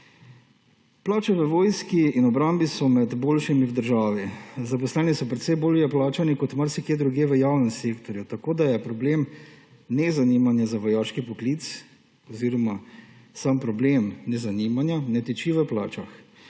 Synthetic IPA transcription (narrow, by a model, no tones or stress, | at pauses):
plaːt͡ʃaʋəʋoːjskiinɔbɾambisɔmɛd̪boːlʃimiwd̪əɾʒaːʋizap̬ɔslɛːnisɔpɾɛt̪sɛjboːljɛplaːt͡ʃanikɔt̪maɾsɛkjeːd̪ɾuɡjeːʋəjaːwnɛmseːkt̪ɔɾjut̪akoːd̪ajɛpɾɔbleːm | nɛzanimanjazaʋɔjaːʃkipɔklit̪s | ɔziːɾɔmasampɾɔbleːmnɛzaniːmanjanɛt̪ɛt͡ʃiʋəplaːt͡ʃax